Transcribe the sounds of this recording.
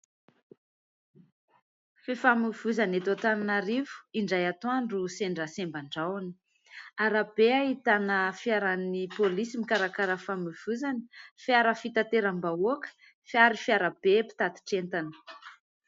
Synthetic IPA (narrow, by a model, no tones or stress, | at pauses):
fefamiv̥uzanet̪ot̪ananaɾivu̥iɳɖ͡ʐajat̪oaɳɖ͡ʐuseɳɖ͡ʐəsembaɳɖ͡ʐawani̥ | aɾab̥eaɦit̪anəfjaɾanipolisimikaɾakaɾəfamiv̥uzani̥fiaɾəfit̪at̪eɾambaokə̥ | fiaɾifiaɾab̥epi̥t̪at̪i̥ʈ͡ʂent̪anə̥